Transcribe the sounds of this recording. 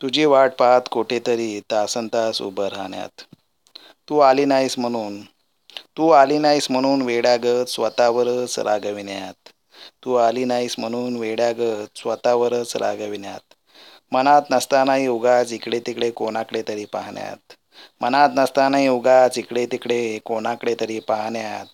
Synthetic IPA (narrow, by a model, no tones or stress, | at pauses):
t̪ud͡ʑiːʋaʈ̚paɦat̪koʈet̪əɾiːt̪asənt̪asṵbəɾɦaɳja̰t̪ː | uːaliːnajsm̤əɽ̃uːn | t̪uːalinaism̤əɽ̃uːnʋeɽjaɡət͡ssʋət̪aʋəɾət͡sɾa̰ɡəʋinja̰t̪ː | uːalinaism̤əɽ̃uːnʋeɽjaɡət͡ssʋət̪aʋəɾət͡sɾʔa̰ɡəʋinja̰t̪ | mənat̪nəst̪anaɦiuɡat͡sikɽet̪ikɽekonakɽet̪əɾiːpa̰ɦɳja̰t̪̚ | mənat̪nəst̪anaɦiuɡat͡sikɽet̪ikɽekonakəɽet̪əɾiːpaɦɳjat̪̚